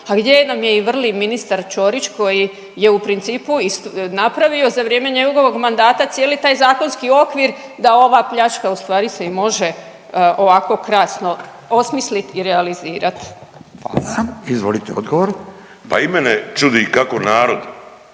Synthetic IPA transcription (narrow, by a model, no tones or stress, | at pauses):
aɡd̪je̞namje̞iʋr̩liminist̪aɾt͡ʃo̞ɾit͡ʃko̞ji | je̞upɾint̪siːpuist̪napɾaʋio̞zaʋɾjeːme̞ɲeɡɡo̞ʋo̞ɡmand̪aːt̪at̪sjeːlit̪aːjzaːko̞nskio̞kʋiɾd̪ao̞ʋaːpʎat͡ʃkaust̪ʋaːɾise̞imo̞ʒe̞ | ʔo̞ʋako̞kɾaːsno̞ | o̞smislit̪iɾealiziːɾat̪aaizʋolit̪eod̪ɡoʋoɾ | pa̰imenet͡ʃud̪ikakonaːɾod̪